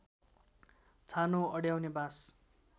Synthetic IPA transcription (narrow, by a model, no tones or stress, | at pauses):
t͡sʰanoʌɽjawnebas